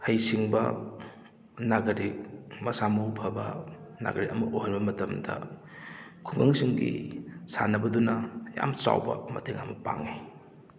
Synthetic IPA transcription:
hɐjsiŋbɐ̰ | naɡɐɾikmɐsamɐwpʰɐbɐna̰ɡɐɾiʔɐmɐʔohanbɐmɐtɐmdɐ | kʰuŋɡaŋsiŋɡḭsanɐbɐdunɐja̰mt͡ʃa̰wbɐmɐtʰeŋamɐpaŋe

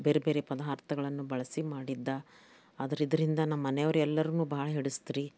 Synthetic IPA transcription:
be̞ːɾebe̞ːɾepɐd̪aːɾt̪ɐɡɐɭɐnːubɐɭɐsimaːɽid̪ːɐ | aːd̪ɐɾid̪ɐɾind̪ɐnɐmːɐnɛjoʋɾɛlːɐɾunuːbaɦɭɐɦeɽust̪iɾi

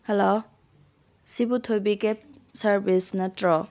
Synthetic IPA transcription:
hɛlo | sibutʰojbikep̚sɐɾbisnɐtɾɔ

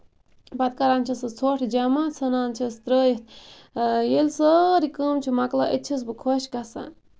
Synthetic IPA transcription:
bɐt̪̚kɐɾaːnt͡ʃʰisɨt͡sʰoʈʰd͡ʒɐmat͡sʰɐnaːnt͡ʃʰist̪ɾəːjit̪ʰ | jelsəɾikəːmt͡ʃʰumɐklaʔit̪̚t͡ʃʰis̬bɨkʰoʃkɐsa̰n

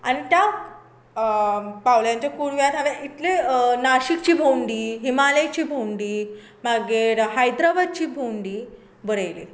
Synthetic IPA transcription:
a̰ñit̪ja | pawljãɲt͡ɕakuɽʋjat̪ɦaʋeʔit̪lenaɕikt͡ɕiːbʱowɳɖiːɦimalet͡ɕiːbʱowɳɖiː | maɡeɾɦajd̪ɾaʋad̪̚t͡ɕiːbʱowɳɖiː | bəɽajli

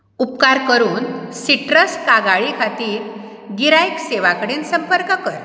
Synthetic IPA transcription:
upkaɾkəɾuːnsiʈɾəskaɡaɭikʰat̪iːɾ | ɡiɾajkseʋakəɽensəmpəɾkəkəɾ

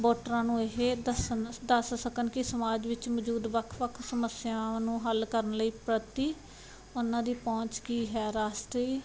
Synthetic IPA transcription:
boːʈɾãːnũːɪɦeəsənd̪əssəkənkɪsəmaːd͡ʒʋɪt͡ʃməd͡ʒuːd̪ʋəkʰʋəkʰsəməsɪjãːnũːɦəlkəɾənləiːpɾət̪iː | ʊnãːd̪iːpɔ̃ːt͡ʃkiːɦɛːɾaːst̪ɾeiː

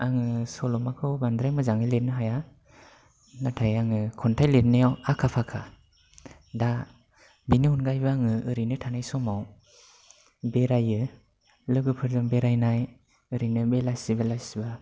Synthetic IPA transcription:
aŋɯsɔlɔmakʰɯwband̪ɾajmɯzaŋɯjlet̚nɯɦaja | natʰajaŋɯkʰɔntʰajlet̚nɯjawakʰapʰakʰa | da | binɯɦunɡajbaaŋɯɯɾinɯtʰanajsɔmaw | beɾajɯ | lɯɡɯpʰɯɾzɯmbeɾajnaj | ɯɾinɯbelajsibalajsiba

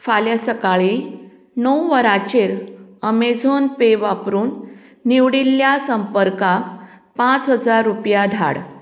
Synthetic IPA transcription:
faljasəkaɭi | nəwʋəɾat͡ɕeɾəmed͡zʱonpeʋapɾuːnː | iʋɽilːjasəmpəɾkak | pãt͡sɦəd͡zaɾːupjad̪ʱa̰ɽ

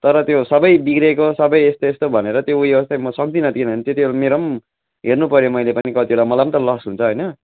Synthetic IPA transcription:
t̪ʌɾʌt̪josʌbʌjbikrekosʌbʌjest̪oest̪obʱʌneɾʌt̪joujʌʌst̪emʌsʌk̚d̪inʌd̪ikinʌnt̪et̪jmeɾʌm | ɦernupʌɾjomʌjlepʌnikʌt̪ieɽamʌlamnt̪ʌlʌsɦunt͡sʰʌɦojnʌ

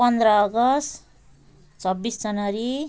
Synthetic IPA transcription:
pʌnd̪rʌːɡʌst̪ | t͡sʰʌbːisd͡zʌnʌɾi

